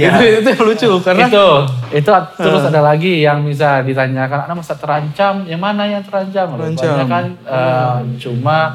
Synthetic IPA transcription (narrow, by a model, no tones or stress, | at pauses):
iduiut̪upəlut͡ʃukait̪uit̪ut̪əɾʊsadalaɡijaŋmis̬aldiɾaɲd͡ʒakana̰namasat̪ːəɾaɲt͡ʃamjaŋmanajaŋt̪əɾaɲt͡ʃamlaɲakanət͡ʃuma